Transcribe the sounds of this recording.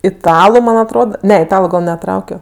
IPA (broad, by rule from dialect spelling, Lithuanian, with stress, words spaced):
ɪˈtɑːlˠʊ ˈmɐn ɐtˈroːt ˈnʲɛ ɪˈtɑːlˠʊ ɡɐlˠ nʲɛˈtrɐʊkʲoː